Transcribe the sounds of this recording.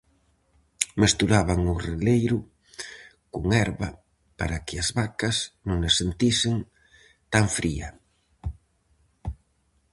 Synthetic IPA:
mest̪uɾaβaŋʊrelejɾʊ | kuŋɛɾβa | pa̰ɾakɪazβakasnõŋesent̪isɪŋ | t̪aɱfɾiɐ̰

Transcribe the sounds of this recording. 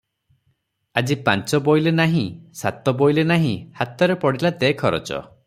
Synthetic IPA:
ad͡ʒipã̰nt͡ʃɔbojlenaɦĩsat̪ɔbojlenaɦĩhat̪ɔɾepɔɽilad̪ekʰɔɾɔ̰t͡ʃɔ̰

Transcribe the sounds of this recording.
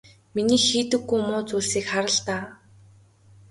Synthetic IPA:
miniːxiːt̪ɘ̆ɡːujmʊːt͡suːɮsiːkχaɾə̆ɮt̪aː

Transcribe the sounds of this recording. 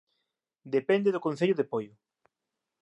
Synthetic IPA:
d̪epɛnd̪eðʊkonθeʎʊðepojʊ

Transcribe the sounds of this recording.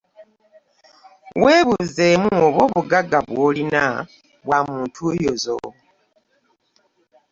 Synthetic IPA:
weːβuzemuoβwo̞ːβuɡaɡaβwoːlina | βwaːmuːntʰujozo̰

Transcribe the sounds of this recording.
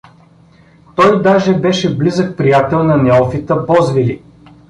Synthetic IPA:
t̪ɔjd̪aʒɛbɛʃɛblizək̚pɾijat̪ɛlˠnɐnɛɔfit̪əbɔzvili

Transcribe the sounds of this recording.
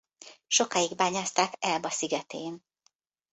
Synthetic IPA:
ʃo̞kaːjiɡbaːɲaːst̪aːkɛlbɒsiɡɛt̪eːn

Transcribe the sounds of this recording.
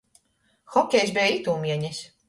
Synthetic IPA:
xɔkʲɛjsbɛːit̪uːmʲiɛɲis

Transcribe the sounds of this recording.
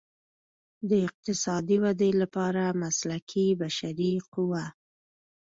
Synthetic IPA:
d̪əɪq̚t̪ɪsɑd̪iwad̪elapɑɾamaslakʰibaʃaɾiqʊwa

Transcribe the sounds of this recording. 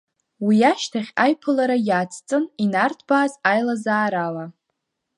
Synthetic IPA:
wijaʃtʰaχʲajpʰɨlaɾajaːt͡sʰʼt͡sʼɨninartʰb̥aːzajlazaːɾala

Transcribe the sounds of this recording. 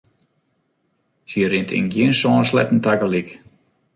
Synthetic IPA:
siəɾintʰɪ̰nɡjinsɔːnslɛ̰tn̩taɡəlik

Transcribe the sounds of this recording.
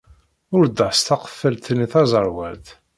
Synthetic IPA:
ʊɾd̪əħst̪ɑqə̥fːəlt̪niθɑzˤəɾˤwæɾt̪

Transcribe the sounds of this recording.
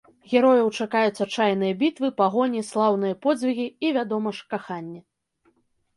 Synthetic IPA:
ɣʲɛɾɔjɐwt͡ʂakajut̪sʲɐt͡ʂajn̪ɨjɐbʲit̪vɨpaɣɔnʲislˠawnɨjɐpɔd͡zʲzʲvʲiɣʲiːvʲad̪ɔmɐʂkaxanʲːɛ

